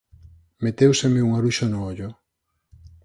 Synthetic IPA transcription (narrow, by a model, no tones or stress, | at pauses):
met̪ewsemeuŋaɾuʃonʊoʎʊ